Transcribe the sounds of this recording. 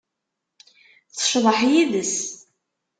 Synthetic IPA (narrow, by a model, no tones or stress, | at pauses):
θʃðˤəħjiðəs